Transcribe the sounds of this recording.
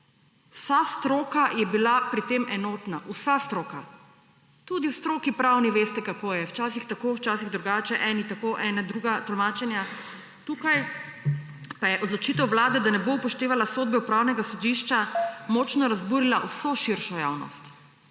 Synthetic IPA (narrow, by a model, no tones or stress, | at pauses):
usast̪ɾoːkajɛbilapɾit̪eːmʔɛnoːt̪naʔusast̪ɾoːka | t̪uːd̪iwst̪ɾoːkipɾawniʋeːst̪ɛkakojɛwt͡ʃaːsixt̪akowt͡ʃaːsiɣd̪ɾuɡaːt͡ʃɛʔɛːnit̪akoʔɛːnad̪ɾuːɡat̪ɔlmaːt͡ʃɛnja | t̪uːkaj | pajɛʔɔd̪lɔt͡ʃit̪ɛwʋlaːd̪ɛd̪anɛboupɔʃt̪eːʋalasoːd̪̚bɛupɾaːwnɛɡasɔd̪iʃt͡ʃamɔt͡ʃnɔɾazbuːɾilaʔwsoʃiɾʃɔja̰ːwnɔ̰st̪